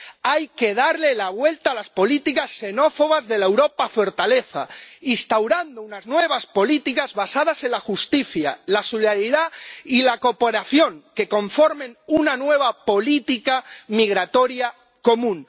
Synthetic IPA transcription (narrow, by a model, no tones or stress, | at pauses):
ajke̞ð̞aɾlelaβwe̞lt̪aːlaspo̞lit̪ikasːe̞no̞fo̞β̞azðe̞laewɾopafo̞ɾt̪ale̞θa̰inst̪awɾand̪ounaznwe̞β̞aspo̞lit̪ikazβasað̞ase̞nlaxust̪iθjalasoleðaɾiðailako̞po̞ɾaθjo̞ŋke̞kõ̞ɱfo̞ɾmẽ̞nunanwe̞β̞apo̞lit̪ikamiɣ̞ɾat̪o̞ɾja | ko̞mũn